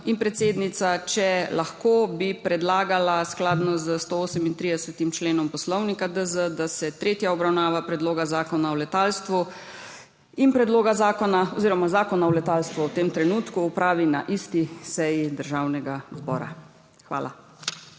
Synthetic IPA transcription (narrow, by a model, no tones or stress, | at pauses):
inpɾɛt̪seːd̪nit̪sat͡ʃɛlaxkobipɾɛd̪laːɡalasklaːd̪nɔzəst̪ooːsɛmint̪ɾiːd̪ɛsɛt̪imt͡ʃleːnɔmpɔslɔwnikad̪əzəd̪asɛt̪ɾeːt̪jaɔbɾawnaːʋapɾɛd̪loːɡazaːkɔnaɔlɛt̪aːlst̪ʋu | inpɾɛd̪loːɡazaːkɔnaɔziːɾɔmazaːkɔnawlɛt̪alst̪ʋuwt̪emt̪ɾɛnuːt̪kuːpɾaːʋina̰ʔist̪isɛjid̪əɾʒawnɛɡazbɔ̰ːɾa̰ | xʋa̰ːlʔa̰